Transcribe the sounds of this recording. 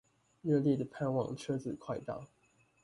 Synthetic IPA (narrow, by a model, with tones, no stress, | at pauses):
ɥɛ˥˧ljɛ˥˩d̪ə˩pʰa˥˧nwɑ̰˥˩ŋʈ͡ʂʰɤ˥d͡zɹ̩˨kʰwa˥˧ɪt̪ɑ̰˥˨ʊ